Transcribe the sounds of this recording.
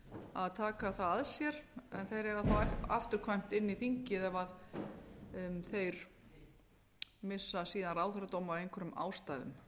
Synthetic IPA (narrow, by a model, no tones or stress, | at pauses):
aðt̪ʰaːkaθaðsjɛɾ̥ɛ̰nθejɾɛɣaθawaft̪ʏɾ̥kʰvajm̥t̪ɪnːiθiŋcɪðɛvað | θejɾ̥ | mɪsːasiːðanraːwθɾat̪owmawejŋkʰʏɾʏma̰ːwst̪aːjðʏ̰m